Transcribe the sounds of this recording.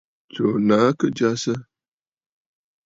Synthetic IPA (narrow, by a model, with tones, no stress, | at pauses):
to˨na˨˦kə˦d͡ʒa˦sə˦